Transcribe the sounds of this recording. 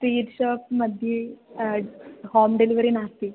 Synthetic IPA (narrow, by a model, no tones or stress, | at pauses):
ʈɾiːʈɕɔːp̚məd̪ʱje | hɔmɖeliʋɾinast̪i